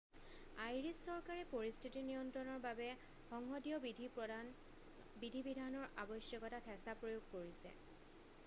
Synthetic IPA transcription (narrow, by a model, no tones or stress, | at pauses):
ajɹisːɔɹkaɹɛpoɹistʰitinijɔntɹɔnɔɹbabɛ | xɔŋxɔdijɔbidʱi | bidʱibidʱanɔɹʔabɔsjɔkɔtatʰɛsapɹojoɡ̚koɹisɛ̰